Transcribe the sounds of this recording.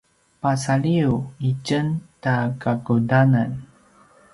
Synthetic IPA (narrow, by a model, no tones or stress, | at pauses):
pasaɭiuit͡ʃəntakakudanan